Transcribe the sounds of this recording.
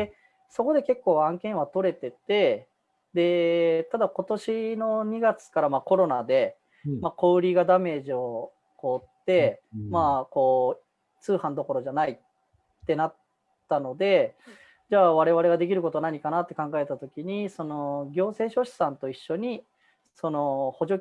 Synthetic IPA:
e | so̞ko̞d̪e̞ke̞kːo̞ːãŋkẽ̞ɰ̃βat̪o̞ɾe̞t̪e̞t̪e̞ | d̪e̞t̪ad̪ako̞t̪o̞ɕino̞ɲ̟iɡat͡sɨ̥kaɾamako̞ɾo̞nad̪e̞ | mako̞ɯɾʲiɡad̪ame̞ːʑio̞ | ko̞ːt̪ːe̞mako̞ː | t͡sɨːhãnd̪o̞ko̞ɾo̞ʑanai | t̪ːe̞nat̪ː | ano̞d̪e̞ | d͡ʑaːβaɾe̞β̞aɾe̞ɡad̪e̞k̬ʲiɾɯ̟ko̞t̪onaɲ̟ikanat̪ːe̞kãŋɡae̞t̪at̪o̞kʲiɲ̟iso̞no̞ɡʲo̞ːse̞ːɕo̞ɕi̥sãnt̪o̞iɕːo̞ɲ̟i | so̞no̞ho̞ʑo̞

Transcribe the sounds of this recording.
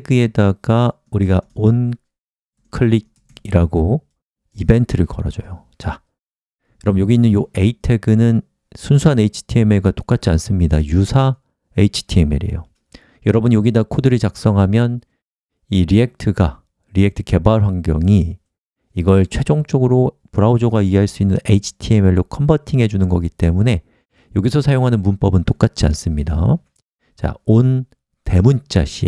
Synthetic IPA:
eɡɯe̞daɡ̥a | uɾiɡaon | kʰɯɭːiɡ̚ | iɾaɡo | ibe̞ntʰɯɾɯɭkʌɾʌ̰d͡ʑʌjo | t͡ɕa | jʌɾʌbɯnjoɡiːnːɯnjoe̞itʰe̞ɡɯnɯn | sʰunsʰuane̞it͡ɕʰi̥tʰiemeɡato̥k͈at͡ɕ͈ʰians͈ɯmɲidajusʰa | eit͡ɕʰi̥tʰiemḛɾḛjo | jʌɾʌbɯnjoɡidakʰodɯɾɯɭt͡ɕak̚s͈ʌŋɦamjʌn | iɾiek̚tʰɯɡa | ɾiek̚tʰɯ̥ke̞baɭɸwaŋɡjʌŋiː | ɡʌɭt͡ɕʰwe̞d͡ʑoŋt͡ɕ͈ʌɡɯɾo | puɾaod͡ʑoɡaieɦaɭs͈uinːɯneit͡ɕʰi̥tʰiemeɭːokʰʌmbatʰiŋɦe̞d͡ʑunɯnɡʌɡit͈e̞mune̞ | joɡisʰʌsʰajoŋɦanɯnmunp͈ʌbɯnt͈ok͈at͡ɕʰians͈ɯmɲida̰ | t͡ɕa̰on | te̞munt͡ɕ͈a̰ɕʰi

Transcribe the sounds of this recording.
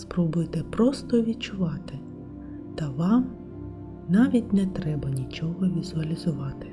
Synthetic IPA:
spɾɔbʊjt̪ɪpɾɔst̪ɔʋʲid̚t͡ʃʊʋɑt̪ɪ | t̪ɐʋɑm | nɑʋʲitʲnɛt̪ɾɛbɐnʲit͡ʃɔɦɔʋʲizʊɐlʲizʊʋɑt̪ɪ̥

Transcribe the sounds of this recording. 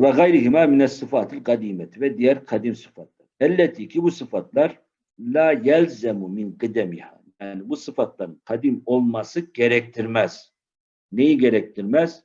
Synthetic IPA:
vɛɣæjɾihimaːmɪnɛsːɨfɑːt̪ʰɪlqɑd̪imɛt̪ʰivɛd̪ijæɾqʰɑd̪imsɨ̥fɑt̪̚ʰlˠɑɾælːɛt̪ʰikʰibusɨfɑt̪ʰlˠɑɾ | laːjælzæmumɪnqɨd̪æmiha̰ːjaʕnibusɨfɑt̪lˠɑɾɯnqʰɑd̪imolˠmɑsɯɡ̥ɛɾɛk̚ʲt̪ʰiɾmæz̥ | nejiɡɛɾɛk̚ʲt̪ʰiɾmæz̥

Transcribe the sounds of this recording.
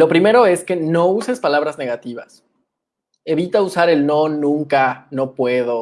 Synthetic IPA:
lo̞pɾime̞ɾo̞e̞ske̞no̞use̞spalaβɾazne̞ɣat̪iβ̞a̰s | e̞βit̪ausaɾe̞lno̞nũŋkano̞pwe̞ðo

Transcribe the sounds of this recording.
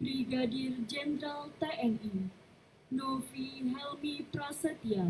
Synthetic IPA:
bɾiɡadird͡ʒɛnɾalt̪aʔɛni | nɔfiɦɛlmipɾasat̪ia

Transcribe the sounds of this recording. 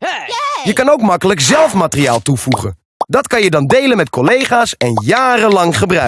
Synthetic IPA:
jəkɑnowkmɑkələkzɛlˠfmaːtərija̰ːlˠtuvuχə̰n | dɑtkɑnjədɑndejlənmɛtkɔlejχaːsɛnjaːrəlɑŋχəbrœ

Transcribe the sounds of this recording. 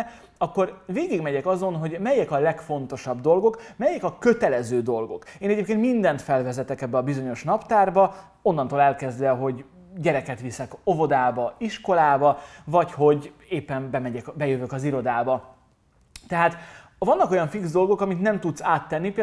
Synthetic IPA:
ɒkːo̞rveːɡiɡmɛɟɛkɒzo̞nɦo̞ɟmɛjɛkɒlɛkfo̞n̪t̪o̞ʃɒbd̪o̞lɡo̞kmɛjɛkɒkø̞t̪ɛlɛzøːd̪o̞lɡo̞̰keːnɛɟeːpkeːnt̪mind̪ɛnt̪fɛlvɛzɛt̪ɛkɛbːɛɒbizo̞ɲo̞ʃnɒpt̪aːrbɒ | o̞nːɒnt̪oːlɛlkɛzd̪ɛɦo̞ɟ | ɟɛɾɛkɛt̪ʋisɛko̞vo̞d̪aːbɒiʃko̞laːbɒvɒcho̞ɟ | eːpːɛnbɛmɛɟɛkbɛjøvøːkɒziɾo̞d̪aːbɒ | t̪ɛɦaːt̪ | vɒnːɒko̞jɒɱfikzd̪o̞lɡo̞kɒmit̪nɛmt̪ut̪saːt̪ːɛnːipeːl

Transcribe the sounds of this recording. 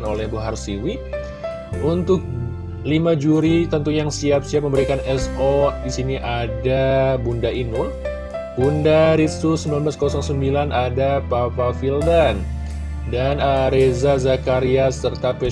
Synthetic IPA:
nolɛhbuɦarsiwi | unt̪ʊk̚ | limad͡ʒuɾit̪ənt̪ujaŋsiap̚siap̚məmbəɾikanɛsodisiniʔadabundainu | bundaɾit̪susəmbilanblaskosɔŋsəmbilanadapapafildan | danəɾezazakaɾiasːərt̪apɛ

